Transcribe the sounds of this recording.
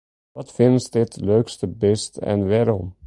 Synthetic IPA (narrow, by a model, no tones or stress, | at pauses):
ʋɑtfɪnsdɪtløɥkstəbɛstɛ̰nʋɛːɾɔm